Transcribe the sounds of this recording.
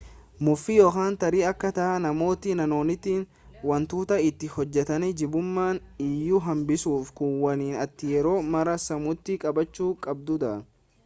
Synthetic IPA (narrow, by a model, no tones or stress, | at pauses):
mʊfːɪjoːkaːnt̪ɐɾiːɐkːɐt̪ɐʔɐnɐmo̞ːt̪ɪnɐno̞ːnɪt̪iːn | wɐnt̪uːt̪ɐɪt̪ːɪhɔd͡ʒːɛt̪ɐnɛd͡ʒɪbʊmːaːnɪjːʊɦɐmbɪsuːfkʊnwɐniːnɐt̪ːɪjɛɾo̞ːmɐɾɐsɐmʊt̪ːɪkʼɐbɐt͡ʃːuːkʼɐb̚d̪ʊd̪ɐʔɐn